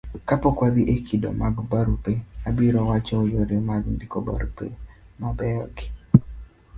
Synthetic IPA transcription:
kapɔkwad̪iʔekʰido̰maɡbaɾupeabiɾɔwat͡ʃɔojoɾemaɡndikoba̰ɾupḛ | mabɛɔɡɪ

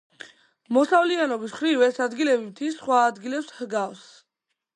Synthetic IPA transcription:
mɔsavlianɔbisχɾivɛsad̪ɡilɛbimt̪ʰisχwaːd̪ɡilɛpshɡafs

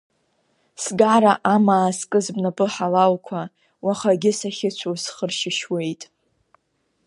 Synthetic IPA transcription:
sɡaɾaʔamaːskʼɨzbnapʼɨħalalkʷʰa | waχaɡʲɪsaχʲɪt͡ʃʷʰosχərʃɪʃwe̞jtʼ

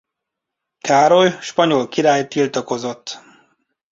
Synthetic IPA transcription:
kaːɾo̞jʃpɒɲo̞lkiɾaːjt̪ːilt̪ɒko̞zo̞t̪ː

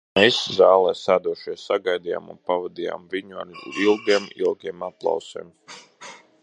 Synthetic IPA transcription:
meːszaːlˠɛːsaːd̪uɔʃiɛsaɡajd̪ija̰ːmṵnpavad̪ija̰ːmviɲua̰ɾilˠɡ̪iɛmḭlˠɡiɛmaplˠɑ̰wsɛ̰ːm

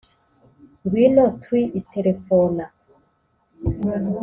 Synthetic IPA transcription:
ɡwinotwiʔitʰeɾefona

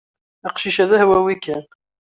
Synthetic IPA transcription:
iqʃiʃæðæhwæwikæn

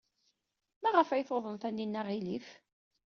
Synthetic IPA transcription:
mæʁəfæjθoðˤənθænːinːæʁilif

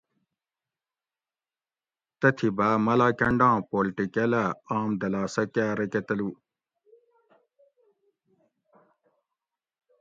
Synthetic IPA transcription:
t̪ɐt̪ʰibamɐlaːkɐɳɖãːpoːlʈikɐlɐaːmd̪ɐlaːsɐkaːɾɐkɐt̪ɐlu

